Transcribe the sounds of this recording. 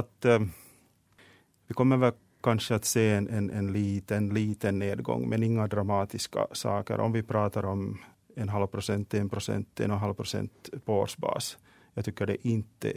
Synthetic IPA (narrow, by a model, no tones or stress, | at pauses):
at̪ | vɪkʰɔmːəɾvɛl | kʰanʂəat̪seːɛnʔɛnʔɛnliːt̪ənliːt̪ənːeːd̪ɡɔ̰ŋːmɛnɪŋːad̪ɾamɑːt̪ɪska̰sɑ̰ːkə̰ɾʔɔ̰mvɪpʰɾɑːt̪ɑɾɔm | ɛnɦalvpʰɾʊsɛnt̪ːɪɛnpʰɾʊsɛ̰nt̪ːɪɛ̰nɔnɦalvpʰɾʊsɛ̰nt̪pʰɔo̰ːʂbɑ̰ːs | jɑːɡt̪ʰʏkːəɖɛʔɪnt̪ʰːə̰